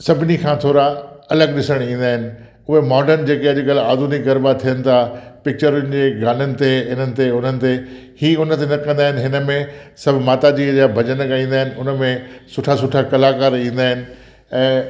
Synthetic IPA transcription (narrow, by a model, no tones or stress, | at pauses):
sɐbʱɪnikʰãːt̪ʰoːɾaɐləɡɗɪsəɽ̃ĩːnd̪aːɦɪnɪ̆ | ʊɦemɔːɖəɾnd͡ʑeːkeɐd͡ʑʊkɐlaːd̪ʱuːnikɡɐɾbat̪ʰijənɪ̆t̪ʰapɪk̚t͡ɕəɾʊnɪ̆d͡ʑeːɡaːnʊnɪ̆t̪eɪnənɪ̆t̪eʊn̤ənɪ̆t̪e | hiːʊnət̪enɐkɐ̃nd̪aːɦɪnɪ̆ɦɪnə̆mẽsɐbʱmaːt̪ad͡ʑiːabʱɐd͡ʑənəkaĩːnd̪aːɦɪnɪ̆ʊnə̆mẽsʊʈʰasʊʈʰakɐlaːkaːɾĩːn̆d̪aːɦɪnɪ̆ | ɛ̃ː